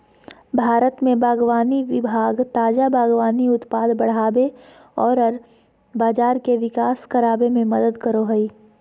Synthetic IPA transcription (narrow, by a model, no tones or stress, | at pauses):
bʱaːɾət̪mẽbaːɡʋaːniʋɪbʱaːɡt̪aːd͡ʒabaːɡʋaːniʊt̪paːd̪bɐɽ̤aːbe | ɔːɾɐɾ | baːd͡ʒaːɾkeʋɪkaːskɐɾaːbemẽmɐd̪əd̪kəɾoɦɐiː